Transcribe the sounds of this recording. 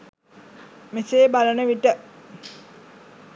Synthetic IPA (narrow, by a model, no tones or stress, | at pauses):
miseːbalənəʋiʈə